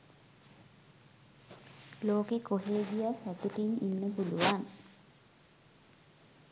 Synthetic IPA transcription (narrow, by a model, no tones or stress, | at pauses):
loːkekoɦeːɡijasæt̪uʈininːəpuluʋan